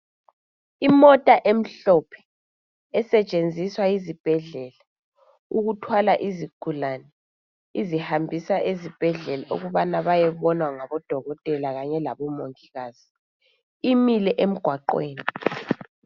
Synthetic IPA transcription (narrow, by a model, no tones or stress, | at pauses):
imɔtʼaʔem̩ɬɔpʰɛ̥ | ɛsɛt͡ʃʼend͡zʱiswaizib̥ʱɛɮɛla | uɣutʰwalaʔiziɡ̥ʱulanɛ | izihambʱisaʔezib̥ʱɛɮɛlaʔṵɣuβanaβajɛβɔnwaŋaβɔd̥ʱɔɣɔtʼɛlaɣaɲɛlaβɔmoŋiɣaːz̥i | imilɛʔem̩ɡ̥ʱwaǃweːni